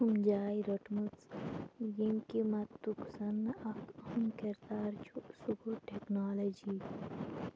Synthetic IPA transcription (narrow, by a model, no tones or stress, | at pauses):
humd͡ʒaːiɾoʈmut͡s | jiŋkimɐt̪ːuksɐnɐkhumkɐɾd̪aːɾt͡ʃʰusuɡuʈeknaːlɐd͡ʒi